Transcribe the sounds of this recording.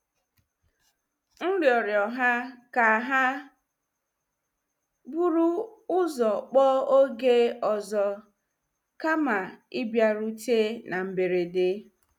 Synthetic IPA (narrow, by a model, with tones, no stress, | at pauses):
n̩˦ljɔ˨ɾjɔ˨ɦa˦ka˨ɦa˦ | bu˦ɾu˦ʊ˦zɔ˨k͡pɔ˦o˦ɡe˦ɔ˨zɔ˨ | ka˦ma˨i˦bja˨ɾu˦te˦nʔa˨m̩˨be˨ɾe˨dɪ˦